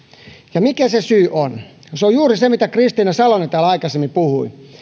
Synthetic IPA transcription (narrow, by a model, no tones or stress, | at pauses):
jɑmikæsesyːʔon | seojuːrisemit̪ækrist̪inæsɑlonet̪æːlɑikɑsemːipuhui